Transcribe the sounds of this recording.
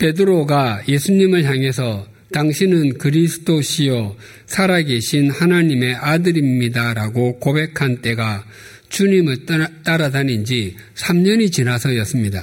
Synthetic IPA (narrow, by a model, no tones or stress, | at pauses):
pe̞dɯɾoɡaje̞sʰuɲimɯɭɦaŋɦe̞sʰʌ | taŋɕʰinɯnkɯɾisʰɯ̥tʰoɕʰijo | sʰaɾaɡe̞ɕʰinhanaɲime̞ʔadɯɾimɲidaɾaɡokobe̞kʰant͈e̞ɡa | t͡ɕuɲimɯɭt͈aɾadanind͡ʑi | sʰamɲʌɲit͡ɕinasʰʌjʌs͈ɯmɲida̰